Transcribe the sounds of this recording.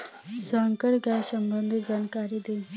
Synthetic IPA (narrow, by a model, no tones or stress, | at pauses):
səŋkəɽɡʱjasəmbənd̪ʱd͡ʑankaɾid̪el